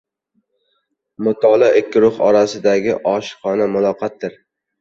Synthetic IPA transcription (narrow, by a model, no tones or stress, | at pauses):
mʊt̪ʰɒlˠaɪkʲːɪɾʊχɒ̰ɾasɪd̪aɡʲɪʔɒʃχɒnamʊlˠɒqʰɑt̪ːɪɾ